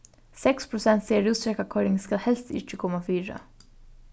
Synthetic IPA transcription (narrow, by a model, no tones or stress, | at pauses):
sɛkspʰɾʊsɛnt̪seːɾʉːst̪ɾɛkakʰɔɾɪŋskahɛlst̪ɪ̰t͡ʃəkʰɔmafyːɾə̰